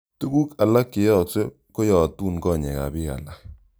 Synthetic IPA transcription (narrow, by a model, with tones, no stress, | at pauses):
tu˦ɡu˦ka˨la˦kːɪ˨jɔ˦˨k̚se˦ | ko˦jɔ˨tu˦˨nkɔ˦˨ɲɛ˨ka̰˨bɪ˦ka̰˨la˦